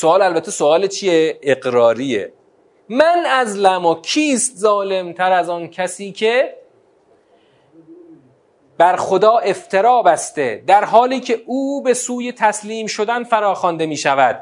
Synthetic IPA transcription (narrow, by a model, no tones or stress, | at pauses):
soɒːlælbæt̪ʰːesoɒːlet͡ʃʰijeeɡɾɒːɾiːḛ | mænæzlæmokʰiːst̪zɒːle̞mt̪ʰæɾæzɒːncʰæsiːcʰe̞ | b̥æɾxod̪ɒːʔe̞ft̪ʰe̞ɾɒːbæst̪ed̪æɾɦɒːliːcʰe̞uːbe̞suːje̞t̪ʰæsliːmʃo̞d̪ænfæɾɒːxɒnd̪e̞miːʃævæd̪̥̚